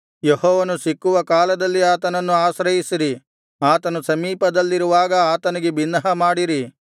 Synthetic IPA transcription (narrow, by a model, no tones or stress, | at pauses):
jehɔːʋɐnusikːuʋɐkaːlɐd̪ɐlːiaːt̪ɐnɐnːuaːʃɾɐjisiɾi | aːt̪ɐnusɐmiːpɐd̪ɐlːiɾuʋaːɡɐaːt̪ɐniɡe̞binːɐɦɐmaːɽiɾi